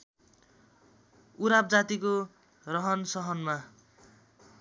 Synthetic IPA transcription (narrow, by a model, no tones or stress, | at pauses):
uɾap̚d͡zat̪iko | rʌɦʌnsʌɦʌnma